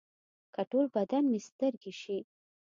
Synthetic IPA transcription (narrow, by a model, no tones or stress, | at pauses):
kaʈolbad̪anmest̪əɾɡeʃi